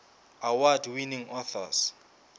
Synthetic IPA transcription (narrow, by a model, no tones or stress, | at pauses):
awadwiniŋɔθɔ̰s